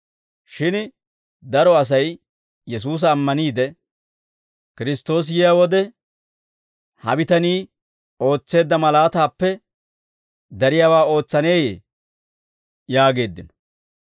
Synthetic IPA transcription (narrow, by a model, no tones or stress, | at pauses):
ʃɪn | d̪ɐɾɔɐs̬ɐj | jɛs̬uːs̬ɐːmːɐniːd̪ɛ | kɪɾɪst̪o̞ːs̬jɪjawɔd̪ɛ | hɐ̰bɪt̪ɐniː | o̞ːt͡sːe̞ːd̪ːɐmɐlaːt̪aːpːɛ | d̪ɐɾɪjaːwaːo̞ːt͡sːɐne̞ːjḛː | jaːɡe̞ːd̪ːɪnɔ